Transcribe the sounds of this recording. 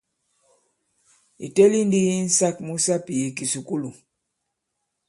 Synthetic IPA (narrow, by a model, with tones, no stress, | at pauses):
ḭ˨te˦li˦ndi˦i˦n̩˦sa˦k̚mu˦sa˦pi˨i˨ki˨su˨ku˦lu˨